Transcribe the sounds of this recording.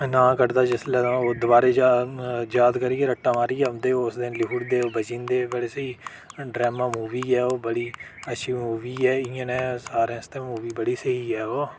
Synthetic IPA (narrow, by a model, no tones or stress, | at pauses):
nãːkəɾd̪aːd͡ʒɪslãod̪ʊbaːɾeːd͡ʒajaːd̪kəɾiːeɾəʈːãːmaːɾiːɛːʊ̃nd̪eːoːʊsd̪ɪnlɪuːɽd̪eːoːbət͡ʃĩːnd̪eːbəɽeːsəiː | ɖɾɛːmaːmuːʋiːɛːoːbəɽiːəʃʰiːmuːʋiːɛːĩːə̃nɛ̃ːsaːɾẽːst̪ẽːmuːʋiːbəɽiːsəɦiːɛːoː